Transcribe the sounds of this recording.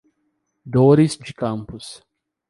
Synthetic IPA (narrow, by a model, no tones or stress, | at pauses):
d̪oɾisd͡ʒɪkɐ̃mpʊs